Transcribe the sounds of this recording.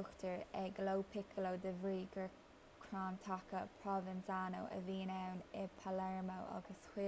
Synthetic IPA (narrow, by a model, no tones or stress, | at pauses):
ʊxtəɹɛɡlowpʰɪkʰəlod̪əvɹiːɡəɹ | kʰɹaːnt̪ʰakəpʰɹɔvɪnsano̰wʔə̰viːnɛwnɪpʰalɛɹmowʔa̰ɡəshwɪ